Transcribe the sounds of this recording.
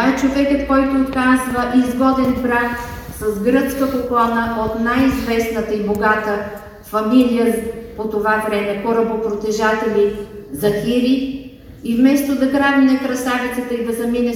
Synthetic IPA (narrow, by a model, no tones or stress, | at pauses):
ɛt͡ʃovɛkət̪kɔjt̪oːt̪kazvəʔizɡɔd̪ɛnbɾak | sɐzɡɾət̪skəpoklˠanəʔot̪najizvɛsnət̪əiboɡat̪ə | fɐmilijəpot̪ovavɾɛmɛxoɾəbopɾot̪ɛʒat̪ɛlʲizɐxiɾi | ivmɛst̪od̪ɐkɾavinɐkɾɐsavit̪sɛt̪əid̪ɐzɐminɛ